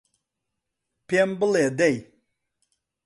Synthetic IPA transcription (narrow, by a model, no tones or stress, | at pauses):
pembɨled̪ɛj